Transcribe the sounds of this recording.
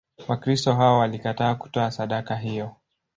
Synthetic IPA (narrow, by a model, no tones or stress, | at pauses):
wakɾistɔɦaɔwalikataːku̥tɔasaɗakaɦijɔ